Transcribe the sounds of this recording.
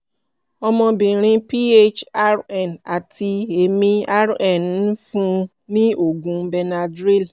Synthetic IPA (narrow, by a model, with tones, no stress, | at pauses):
ɔ˧mɔ̃˧bĩ˨ɾ̃ĩ˧pi˦e˦t͡ʃa˦ɾɛ˨na˨ti˧e˨mĩ˧a˦ɾɛ˦˨n˨˦fũ˦ | nĩ˦o˦˨ɡũ˨bɛ˧na˧dɾe˦l